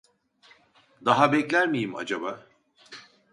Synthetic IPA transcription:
d̪aɦabɛclʲæɾmijima̰d͡ʒaba

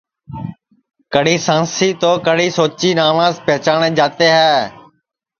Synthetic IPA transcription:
kəɽiːsãːnsiːt̪oːkəɽ̤iːsoːt͡ʃiːnaːʋãːspɛːt͡ʃaːɳeːd͡ʒaːt̪eːɦɛː

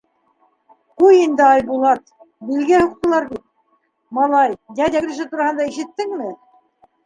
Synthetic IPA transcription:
qujind̪ɘɑjbulˠɑt̪ | bilɡæhuq̚t̪ɤ̆lˠɑɾbit̪̚ | mɑlˠɑjj̪æd̪ʲæk̆ɾɘ̆ʃ̬ɘt̪uɾɑhɤ̆nd̪ɑiʃɘ̆t̪ːɘŋmɘ

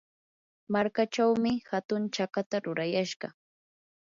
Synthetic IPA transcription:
maɾkat͡ʃawmɪhat̪ʊnt͡ʃakat̪aɾʊɾajaʃɢɑ

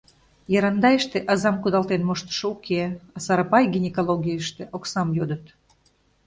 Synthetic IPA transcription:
jɑɾɑnd̪ɑeʃt̪eʔɑzɑmkud̪ɑlt̪enmoʃt̪ə̥ʃoukʰeɑsɑɾɑpɑjɡʲinʲekolˠoɡʲiəʃt̪eʔoksɑmjod̪ət̪

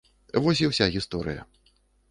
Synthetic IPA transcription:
vɔs̬ʲiwsʲaɣʲist̪ɔɾɨ̰jɐ̰

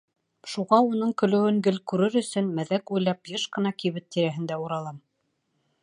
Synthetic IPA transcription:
ʃuʁɑunɤɴkɵ̆lɘ̆wɘŋɡɘlkʉɾɘɾɵ̆sɵnmæðækujlˠɑpjɤʃqɤ̆nɑkiβɘt̪ːiɾæɦɘ̆nd̪æuɾɑlˠɑm

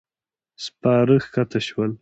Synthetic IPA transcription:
spɑːɾəxkat̪aʃwal

